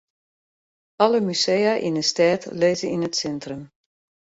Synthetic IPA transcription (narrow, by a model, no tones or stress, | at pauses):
ɑləmysejaʔḭnəstɛːtleːzəinətsɛntrəm